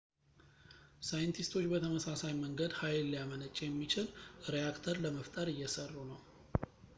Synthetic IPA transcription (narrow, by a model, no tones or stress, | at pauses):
sajnt̪ʰist̪ʰo̞t͡ʃːbət̪ʰəməsasajməŋɡəd̪hajlːijamənət͡ʃʼːɛjɛmːit͡ʃʰɪlɾejakt̪ʰəɾləməft̪ʼəɾɨjːɛsərːunəw